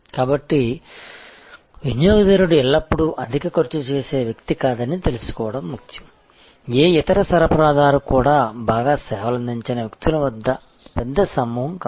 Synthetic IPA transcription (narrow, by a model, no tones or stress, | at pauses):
kaːbɐʈːi | ʋinjoːɡɐd̪eːɾuɽuɛlːɐpːuɽuʔɐd̪ʱikɐkoɾt͡ʃut͡ʃeːse̞ːʋjɐkt̪ikaːd̪ɐnːit̪e̞lusu̥kɔːʋɐɽɐmːukʰjɐ̥ | eːit̪ɐɾɐsɐɾɐpɐɾaːd̪aːɾukuːɽaːbʱaːɡaːsɛːʋɐlɐnd̪ʱiɲt͡ʃɐnɐʋjɐkt̪ilɐʋɐd̪ːɐ | pɛd̪ːɐsɐmːuːɦɐmka